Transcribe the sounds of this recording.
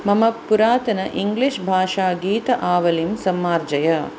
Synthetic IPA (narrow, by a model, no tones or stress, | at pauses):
mɐmɐpːuɾaːt̪ɐnɐʔiŋɡliʃbʱaːʂaːɡiːt̪ɐʔaːʋɐlimsɐmːaːɾd͡ʒɐjɐ